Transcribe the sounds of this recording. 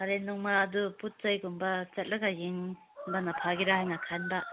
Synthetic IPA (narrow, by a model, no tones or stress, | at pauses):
aɾenːuŋmaːduput̚t͡ʃajɡumbat͡ʃɐt̚lɐɡajiŋ | banapʰaɡiɾaɦajnakʰanba